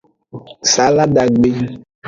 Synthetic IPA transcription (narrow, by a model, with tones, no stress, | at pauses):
sa˨˦la˦ɖa˨ɡ͡be˦